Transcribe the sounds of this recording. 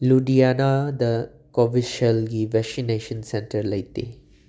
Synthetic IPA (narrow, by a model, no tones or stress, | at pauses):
luɖijanad̪ə | kɔʋiʃəlɡiʋɛsineʃə̃nsɛ̃nʈəɾlɐjt̪e